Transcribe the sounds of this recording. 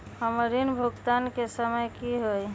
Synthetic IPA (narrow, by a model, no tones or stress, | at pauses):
həməɾinbʱuɡt̪ankesəməjkiɦoj